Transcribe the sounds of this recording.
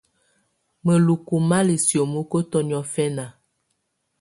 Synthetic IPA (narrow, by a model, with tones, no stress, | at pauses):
mə˨lu˨ku˨ma˦li˨sjo˨mə˦ko˦tɔ˦njɔ˦fɛ˦na˨